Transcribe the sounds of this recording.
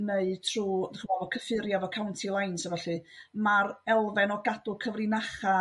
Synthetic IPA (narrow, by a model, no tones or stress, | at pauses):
neɨtʰruːðəχmɔvɔkʰəfɨɾjavɔkʰawntʰilˠajnsəvɛɬɨmaɾɛlˠvɛnɔɡadʊkʰəvrɪnaχa